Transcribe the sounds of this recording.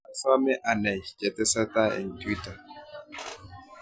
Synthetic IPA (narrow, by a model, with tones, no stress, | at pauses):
a˦sa˦mɛ˦ʔa˨na˨jkɛ˨tɛ˦sa˦ta˦ɛ̰˨nti˦ta˨